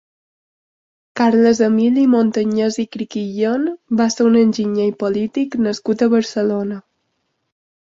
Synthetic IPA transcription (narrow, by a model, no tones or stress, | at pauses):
kaɾləzəmilimont̪əɲezikɾikiʎonbaseunənʲʒiɲejpolit̪iknəskut̪əβəɾsəlonə